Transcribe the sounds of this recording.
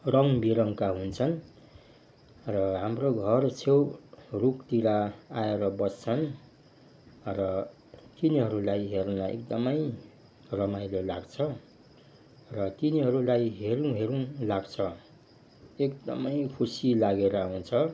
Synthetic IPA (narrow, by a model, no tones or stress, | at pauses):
rʌŋbiɾʌŋkaɦunt͡sʰʌn | rʌɦamroɡʱʌrt͡sʰewrukt̪iɾaaeɾʌbʌst͡sʰʌn | rʌ | t̪iniɦʌɾulajɦernaḛk̚d̪ʌmʌj | rʌmajlolaɡt͡sʰʌ | rʌt̪iniɦʌɾulajɦeɾũɦeɾũlaɡt͡sʰʌ | ek̚d̪ʌ̰mʌjkʰusilaɡeɾaɦunt͡sʰʌ